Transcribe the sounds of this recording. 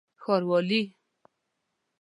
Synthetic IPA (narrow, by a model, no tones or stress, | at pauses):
xɔɾwɔli